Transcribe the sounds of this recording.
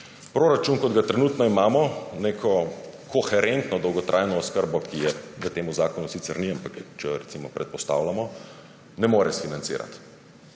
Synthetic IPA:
pɾoːɾat͡ʃunkɔd̪ɡat̪ɾɛnuːt̪nɔimaːmɔneːkʰɔkɔxɛɾent̪nɔd̪ɔwɡɔt̪ɾʔajnɔːskəɾbɔkijɛʋət̪eːmuzaːkɔnusit̪sɛɾniampakt͡ʃɛɾɛtsimɔpɾɛt̪̚pɔst̪a̰wlamɔ | nɛmoːɾɛsfinant̪sḭːɾa̰t̪

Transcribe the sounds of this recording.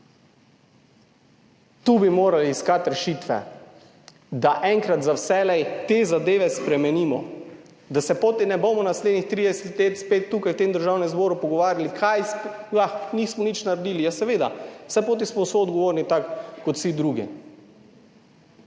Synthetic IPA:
t̪ubimoːɾaliːskat̪ɾɛʃit̪ʋɛ̰ | d̪aʔɛŋkɾat̪zawsɛlɛjt̪eːzad̪eːʋɛspɾɛmɛniːmɔ̰ | d̪asɛpot̪inɛbomɔnasled̪nixt̪ɾid̪ɛsɛt̪leːt̪spet̪ːuːkajwt̪emd̪əɾʒawnɛmzbɔːɾupɔɡɔʋaːɾjalikʰajsjaxnismɔnit͡ʃnaɾɛd̪iːlijasɛʋeːd̪awsɛpoːt̪̬ismɔsʋoɔd̪ɡɔʋoːɾnit̪akːɔt̪sid̪ɾuɡḭ

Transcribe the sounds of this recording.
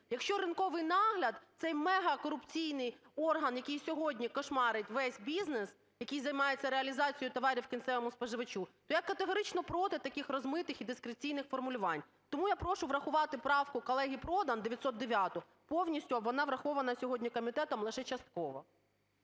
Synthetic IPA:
jɐkʃt͡ʃɔɾɪnkɔʋɪjnɑɦlʲɐd̪t̪sɛjmɛɦɐkɔɾʊpt͡sʲijnɪj | ɔrɦɐnjɐkɨjsʲɔɦɔdʲnʲikɔʃmɑɾɪtʲʋɛsʲbʲiznes | jɐkɨjzɐjmɑjet͡sʲːɐɾeɐlʲizɑt͡sʲijʊt̪ɔʋɑɾʲiwkʲint̪sɛʋɔmʊspɔʒɪʋɐt͡ʃut̪ɔjakːɐt̪eɦɔɾɪt͡ʃnɔpɾɔt̪ɪt̪ɐkɪxrɔzmɪt̪ɪxid̪ɪskɾet͡sʲijnɪxfɔrmʊlʲʊʋɑnʲ | t̪ɔmujapɾɔʃʊʋɾɐxʊʋɑt̪ɪpɾɑwkʊkɔlˠɛɦʲipɾɔd̪ɐnd̪eʋʲjɐt̪sɔt̪̚d̪eʋʲjɑt̪ɔ | pɔwnʲisʲtʲʊʋɔnɑʋɾɐxɔʋɐnɐsʲɔɦɔdʲnʲikɔmʲit̪ɛt̪ɔmlˠɪʃɛt͡ʃɐst̪̚kɔʋɔ̰

